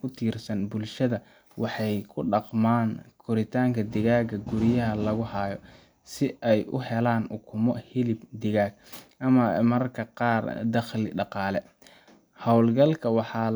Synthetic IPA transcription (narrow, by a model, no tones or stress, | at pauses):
kʰʊt̪ʰiːrsɐnbʊlʃɐðɐ | wɑħɑjkʰʊɖɑqmaːnkʰʊɾɪt̪ʰaːŋkʰɐd̪ɪɣaːɡɐɡʊɾɪjɐɦɐlɐɣʊhɑːjɔ | sɪʔɛjʊ̰hɛlaːnʔʊkʰʊmɔhɪlɪbd̪ɪɣaːɡʔɐmɐmɐrkʰɐqɑːrd̪ɐχlɪɖɑqɑːlɛ | hɑwlɡɐlkʰɐwɑħɑː